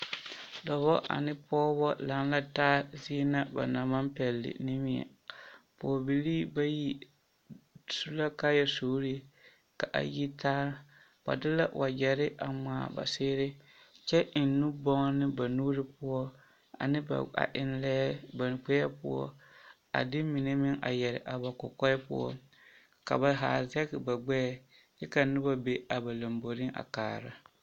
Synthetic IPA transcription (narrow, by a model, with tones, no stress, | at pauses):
dɔ˨βɔ˦ʔa̰˨nɪ˦pɔː˦bɔ˦la˨ŋ˦la˦taː˦zi˦na˦ba̰˨na˨ma˦mpɛ˨lːɪ̰˨nɪ˦mɪ˦ɛ̰˨ | pʊ˨ɔ˨bi˨liː˦ba˦ji˦ | su˦la˦ka˦jɛ˨soː˨˦ɾi˦ | ka˨ʔa̰˨ji˦taː˦ɾ | ba̰˨dɪ˦la̰˦wʔa˨d͡ʒɛ˨ɾɪ˦ʔa˨ŋ͡maː˨ba̰˨sɪː˦ɾɪ˦ | t͡ʃɛ˦ʔɪ˨n˦nu˦bɔ˦ŋ˦nɪ˦ba˨nuː˦ɾɪ˦pʊ˦ɔ˦ | a̰˨nɪ˦b̰a̰˨ʔɪ˦nlɛ˦ba˨k͡pɛ˦ɛ˦pʊ̰˦ɔ̰˦ | a̰˨dɪ˦mi˨ne˦mɪ˦ŋʔa̰˨jɛ˨ɾɪ̰˨ʔa˨ba˨kɔ̰˨kɔ˦jpʊ̰˦ɔ̰˦ | ka̰˨ba˨ɦaː˨zɛ˦ɡɪ˨ba˨ɡ͡bɛ˦˨ | jɛ˦ka˨nʊ˦ba˦be˦a˨ba˨la˨mbo˨ɾɪ˦a̰˨kaː˨ɾa˦